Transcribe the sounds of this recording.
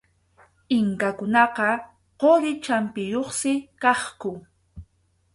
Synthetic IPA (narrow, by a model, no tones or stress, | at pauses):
ɪŋkakʊnɑqɑ | qoɾɪt͡ʃampɪjoχsɪkɑχkʊ